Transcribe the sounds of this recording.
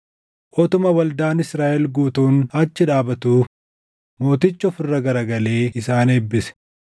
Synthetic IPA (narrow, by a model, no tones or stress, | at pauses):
ʔɔt̪ʊmɐwɐld̪aːnɪsɾaːʔɛlɡuːt̪uːnhɐt͡ʃːɪᶑaːbɐt̪uː | mo̞ːt̪ɪt͡ʃːɔfɪrːɐɡɐɾɐɡɐle̞ːɪsaːneːbːɪsɛ̥